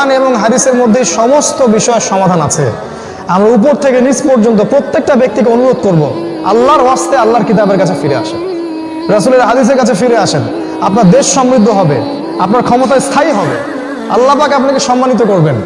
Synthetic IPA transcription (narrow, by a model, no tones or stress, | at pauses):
neboŋɦad̪iseɾmod̪ʱːejʃɔmost̪obiʃɔeʃɔmad̪ʱanat͡ɕʰḛ | amɾaup̬oɾt̪ʰekenid͡ʑpoɾd͡ʑont̪̬opɾot̪ːek̚ʈabek̚t̪ikeonuɾod̪̚koɾbo | a̰lːaɾwast̪ealːaɾkit̪̬abeɾkat͡ɕʰefiɾea̰ʃe | ɾasuleɾɦad̪is̬eɾkat͡ɕʰefiɾeaʃʰen | apnaɾd̪eʃːɔmɾid̪ʱːoɦɔbe | apnaɾkʰɔmot̪aest̪ʰajɦɔbe | a̰lːapakapnakeʃɔmːanit̪̬okoɾben